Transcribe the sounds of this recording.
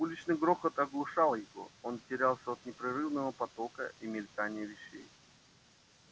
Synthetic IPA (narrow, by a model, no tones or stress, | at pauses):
ulʲɪt͡ɕnɨjɡɾoxət̪ɐɡlˠʊʂalˠjɪvo̰ontʲɪɾʲalˠsʲəot̪nʲɪpɾɪɾɨvnəvəpɐt̪o̞kə̰ʔimʲɪlʲk̪anʲɪjəvʲɪɕːḛj